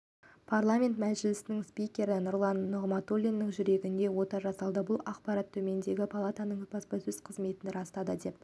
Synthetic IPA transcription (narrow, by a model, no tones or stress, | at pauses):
pʰarlˠamʲe̞nt̪mæzʒɪlɪsɪnɪŋspʲijkʲe̞ɾɪnʊɾlˠɑnːoʁmɑt̪olʲinːɪŋʒʏɾe̞ɡʲɪnd̪e̞wo̞t̪ɑʒɑsɑlˠd̪əbʊlˠɑqpɑɾɑt̪ʰːɵme̞nd̪e̞ɡʲɪpʰalˠat̪ɑnəɴbɑspɑsɵz̥qʰəzme̞t̪ɪnɾɑst̪ɑd̪əd̪e̞p̚